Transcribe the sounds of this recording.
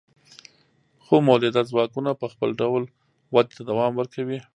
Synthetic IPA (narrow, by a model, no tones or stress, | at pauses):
xomawlɪd̪azwɑkunapəxpə̰lɖawl | wad̪̚t̪ad̪awɑmwəɾkawi